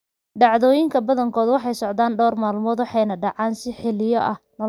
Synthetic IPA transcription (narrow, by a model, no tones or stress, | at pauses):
ɖɑʕðɔːjɪŋkʰɐbɐðɐŋkʰɔːðwɑħɑjsɔʕd̪aːnɖɔːrmaːlmɔːd̪wɑħɑjnɐɖɑʕɑːnsɪħɪlɪjɔʔɐ̰hnɐ